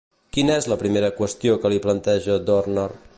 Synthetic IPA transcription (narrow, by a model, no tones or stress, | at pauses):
kinəɛzləpɾimeɾəkwəst̪iokəliplənt̪ɛʒəd̪ornɔr